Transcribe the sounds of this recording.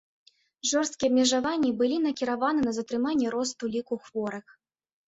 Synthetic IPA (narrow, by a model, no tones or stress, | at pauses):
ʐɔrst̪̚kʲiɐbmʲɛʐavanʲːibɨlʲinɐkʲiɾavanɨnɐzɐt̪ɾɨmanʲːɛɾɔst̪ulʲikuxvɔɾɨx